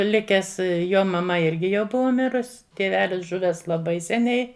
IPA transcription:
ˈlʲɪkʲɛs ˈjoː mɐˈmɐ ˈɪrʲɡʲɪ jɛʊ ˈbʊʋɐ ˈmʲɪrʊs tʲeːˈʋʲæːlʲɪs ˈʒʊʋʲæːs lˠɐˈbɐɪ sʲɛˈnʲɛɪ

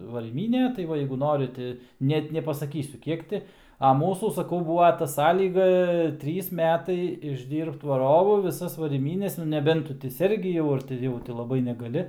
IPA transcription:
ʋɐrʲiːˈmʲiːnʲeː tɐɪ ˈʋɐ jɛɪɡʊ ˈnoːrʲɪ tʲɪ ˈnʲɛt nʲɛpɐsɐˈkʲiːsʲʊ ˈkʲiɛk tʲɪ ɐ ˈmuːsuː sɐˈkɐʊ ˈbuːʋɐ tɐ ˈsɑːlʲiːɡɐ ˈtʲrʲiːs ˈmʲæːtɐɪ ɪʒʲˈdʲiːrpt ʋɐˈroːʋʊ ʋʲɪˈsɐs ʋɐrʲiːˈmʲiːnʲɛs nʊ nʲɛˈbʲɛnt ˈtʊ tʲɪ ˈsʲɛrʲɡʲɪ jɛʊ ɐr tʲɪ ˈjɛʊ tʲɪ lˠɐˈbɐɪ nʲɛɡɐˈlʲɪ

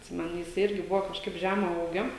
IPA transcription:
ʊʃʲsʲɪˈmɑːnʲeː jɪˈsɐɪ ˈɪrʲɡʲɪ ˈbʊʋoː kɐʃˈkɐɪp ˈʒʲæːmɐ ˈuːɡʲoː

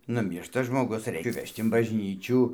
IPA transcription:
nʊˈmʲiːrʃtɐ ʒmoːˈɡʊs ˈrʲɛɪk ˈʋʲɛʃt ɪn bɐʒʲˈnʲiːt͡ʃʲuː

